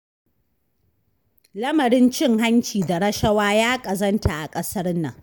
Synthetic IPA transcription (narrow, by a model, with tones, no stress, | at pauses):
lɐ˦mɐ˨ɾɪ˦nt͡ʃɪ˦ŋɦa˦nt͡ʃiː˨da˨ɾɐ˦ʃɐ˦waː˦jaː˦kʼɐ˨zɐ˦ntʰa˨ʔa˨kʼɐ˦sɐ˦rnɐ̰˨ŋ